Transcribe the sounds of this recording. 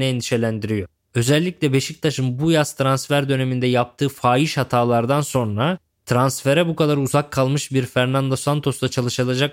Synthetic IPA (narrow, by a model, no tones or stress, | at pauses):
nɛɛnd̪iʃe̞lʲænd̪iɾijo̞ | ø̞zɛlʲːiclʲɛbe̞ʃic̚t̪ʰaʃɯmbujast̪ʰɾansfæɾd̪ø̞ne̞mind̪ɛjap̚t̪ʰɯːfaːjiʃhat̪ʰaːlˠaɾd̪anso̞nɾa | t̪ʰɾansfe̞ɾɛbukʰad̪aɾuzakʰːalˠmɯʃbiɾfæɾnand̪o̞sant̪ʰo̞sd̪at͡ʃʰalˠɯʃɯlˠad͡ʒak̚